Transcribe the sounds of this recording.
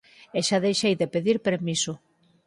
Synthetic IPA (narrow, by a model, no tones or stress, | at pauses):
eʃaðejʃejðepeðiɾpeɾmisʊ